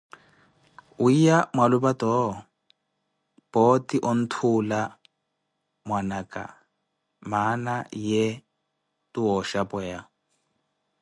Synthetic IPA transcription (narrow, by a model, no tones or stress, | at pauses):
uijamwalubatɔ | b̥ɔtiʔɔn̩tʰula | mwanakʼa̰ | manajɛ | tuɔʃapɛja